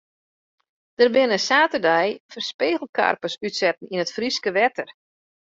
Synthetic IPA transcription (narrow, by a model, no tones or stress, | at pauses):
d̥ərbɪnəsaːtərdɛjfərspeːɣl̩ˠka̰rpəsytsɛt̚n̩inətfriskəʋɛtər